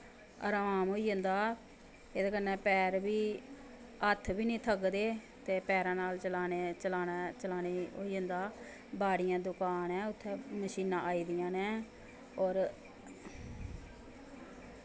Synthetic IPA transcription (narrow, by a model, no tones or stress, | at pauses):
ə̰ɾəʋaːmɦoːiːɦə̃nd̪aː | eːd̪aːkənːɛ̃ːpɛːɾbiː | ət̪ʰːbiːnĩːt̪ʰəɡd̪eː | t̪eːpɛːɾãːnaːlt͡ʃəlaːnːt͡ʃəlaːnat͡ʃəlaːneːo̰ːiːə̃ːnd̪aː | baːɽɪjãːd̪ʊkaːnɛ̃ːʊt̪ʰːɛ̃ːməʃiːnãːʔaːiːd̪ɪjãːnɛ̃ː | ɔːɾ